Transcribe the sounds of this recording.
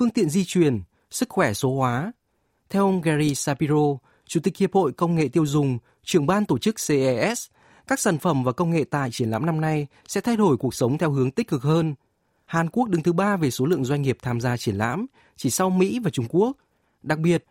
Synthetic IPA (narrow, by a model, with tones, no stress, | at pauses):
fɨ˧əŋt̪ḭ˧˨ənzi˧t͡ɕwi˨˩ən | sɨ˦˥k̚xwɛ˧˩so˨˦hwaː˨˦ | t̪ʰɛ˧wʔə˧wŋ͡mɣɛ˧ɾi˧saː˧pi˧zo˧ | t͡ɕu˧˩t̪ï˨˩k̚hi˨˩əp̚ho̰˧˨jkə˧wŋ͡mŋḛ˧˨t̪i˧əwzʊ˨˩ŋ͡m | t͡ɕɨ˧˩əŋɓaː˧nt̪o˧˩t͡ɕɨ˦˥k̚se˧ʔɛ˧ʔɛ˦˥s | kaː˦˥k̚saː˧˩nfə˧˩mvaː˨˩kə˧wŋ͡mŋḛ˧˨t̪a̰ː˧˨jt͡ɕi˧˩ənla̰ː˧˥mna˧mna˧j | sɛ̰˧˥t̪ʰa˧jɗo˧˩jku˨˩ək̚sə˨˦wŋ͡mt̪ʰɛ˧wɦɨ˨˦əŋt̪ï˦˥k̟̚kɨ˨˩k̚həː˧n | haː˨˩nku˦˥ək̚ɗɨ˨˦ŋt̪ɨ˨˦ɓaː˧ve˨˩so˨˦lɨ̰˧˨əŋzwa˧jŋ̟ŋi˨˩əp̚t̪ʰaː˧mzaː˧t͡ɕi˧˩ənla̰ː˧˥m | t͡ɕi˧˩sa˧wmḭ˧˥vaː˨˩t͡ɕʊ˧ŋ͡mku˦˥ək̚ | ɗa˨˩k̚ɓi˨˩ət̚